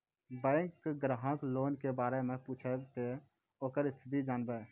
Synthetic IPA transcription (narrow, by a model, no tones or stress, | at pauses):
bɛ̃ɪŋkːɡɾəɦə̃kloːnkebaːɾemẽpuːt͡ʃʰet̪e | oːkəɾɪst̪ʰɪd̪id͡ʒaːnbeː